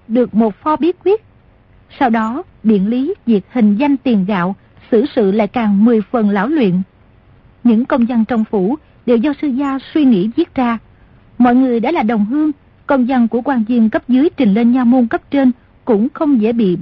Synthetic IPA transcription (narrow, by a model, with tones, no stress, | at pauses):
ɗɨ˨˩ək̚mo˨˩t̚fɔ˧ɓi˨˦˥ət̚kwi˦˥ət̚ | saː˧wɗɔ˨˦ | ɓḭ˧˨ənli˨˦vi˨˩ək̚hï˨˩ŋ̟za˧jŋ̟t̪i˨˩əmɣa̰ː˧˨w | sɨ̰˧˩sɨ̰˧˨la̰ː˧˨jkaː˨˩ŋmɨ˨˩əjfə˨˩nla̰ː˧˥wlwḭ˧˨ən | ɲɨ̰˧˥ŋkə˧wŋ͡mza˧ŋt͡ɕə˧˩wŋ͡mfu˧˩ | ɗe˨˩wzɔ˧sɨ˧zaː˧swi˧ŋḭ˧˥zi˦˥ət̚zaː˧ | mɔ̰˧˨jŋɨ˨˩əjɗa̰˧˥laː˨˩ɗə˨˩wŋ͡mɦɨ˧əŋ | kə˧wŋ͡mza˧ŋku˧˩əkwaː˧˩nzi˧əŋkə˦˥p̚zɨː˨˦jt͡ɕï˨˩ŋ̟le˧nɲa˧wmu˧nkə˦˥p̚t͡ɕe˧n | kʊ̰˧˥ŋ͡mxə˧wŋ͡mzḛ˧˩ɓḭ˧˨